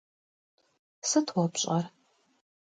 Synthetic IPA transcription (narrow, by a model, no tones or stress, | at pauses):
sɨtʰwɔpɕʼɐr